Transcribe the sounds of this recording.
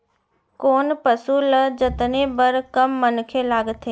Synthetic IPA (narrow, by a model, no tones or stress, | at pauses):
koːnpəsuləd͡ʒɪt̪nebəɾkɐmːənkʰelaːɡt̪ʰe